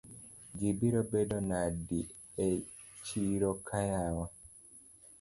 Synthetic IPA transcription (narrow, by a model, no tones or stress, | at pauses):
d͡ʒibiɾobedɔnadi | e | t͡ʃiɾɔkʰajawa